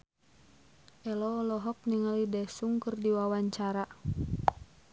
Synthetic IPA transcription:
ʔɛlɔːlɔɦɔk̚niŋalidɛsuŋkərdiwawaɲt͡ʃaɾa

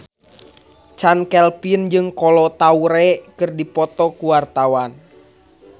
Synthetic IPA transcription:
t͡ʃankɛlpind͡ʒɨŋkɔlɔt̪auɾɛkɨrdipɔt̪ɔkuwart̪awan

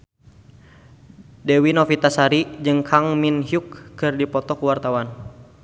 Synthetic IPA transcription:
dɛwinɔfit̪asaɾid͡ʒɨŋkʰaŋminhjukːɨrdipɔt̪ɔkuwart̪awan

